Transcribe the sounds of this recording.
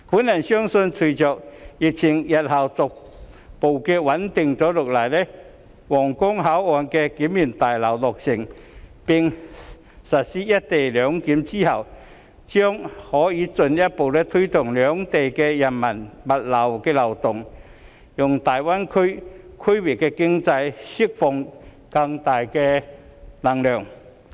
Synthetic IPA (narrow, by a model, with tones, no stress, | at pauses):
kuː˨˥nːa˨˩nsjœ˥ŋsɵ˧nt͡sʰu˨˩t͡sœː˨k̚ji˨k̚t͡sʰɪ˨˩ŋjɐ˨t̚hɐ˨˩wt͡sʊ˨k̚ | po˨˩wkɛ˧wɐ˨˥nt̪ɪ˨ŋt͡sɔː˨˧˥lʊ˨˩k̚laː˨˩jlɛ˧˥ | wɔː˨˩ŋkʊ˥ŋɦa˨˥wɔː˨nkɛ˧kiː˨˥mːi˨˩nt̪aː˨˩jlɐ˨˩wlɔ˨˩k̚sɪ˨˩ŋ | pɪ˨ŋ | sɐ˨t̚siː˧˥jɐ˥t̚t̪e˨˩jlœː˨˧˥ŋkiː˨˥mt͡si˥hɐ˨˩w | t͡ɕjɔ˥ŋhɔː˨˥jiː˨˧˥t͡sɵ˧njɐ˥t̚po˨˩wlɛ˧˥t̪ʰu˥jt̪ʊ˨˩ŋlœː˨˦ŋt̪e˨˩kɛ˧jɐ˨˩nmɐ˨˩nmɐ˨˩t̚lɐ˨˩wkɛː˧lɐ˨˩wt̪ʊ˨˩ŋ | jʊ˨˩ŋt̪aː˨jwa˥nkʰɵ˥ | kʰə˥jwɪ˨˩kːɛ˧kɪ˥ŋt͡sa˧jsi˥k̚fɔ˨˩ŋ | ka˧ŋt̪aː˨˩jkɛ˧ | lɐ˨˩ŋlœː˨˩ŋ